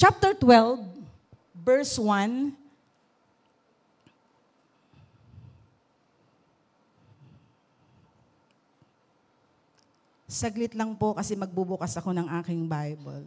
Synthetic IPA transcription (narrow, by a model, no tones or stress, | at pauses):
t͡ʃap̚t̪ɛɹt̪wɛlvː | ɛɹswan | sɐɡlɪt̪lɐŋpo̞kɐsɛmɐɡ̚bubʊkɐsɐkonɐŋʔaːkɪŋbajbɐ̰l